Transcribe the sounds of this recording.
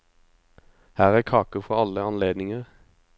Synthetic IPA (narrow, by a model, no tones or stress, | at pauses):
hæːʁæːkʰɑːkəfɔɑləɑnleːd̪nɪŋəʁ